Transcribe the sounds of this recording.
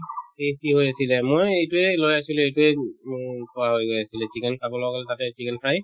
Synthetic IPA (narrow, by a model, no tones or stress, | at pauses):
etiɦojasilɛmojejtuɛlojasilʊ̃ejtuɛ | kɔɹaɦojɡojasilɛsikɛnsabɔlɔɡalɛtatɛsikɛnpʰaj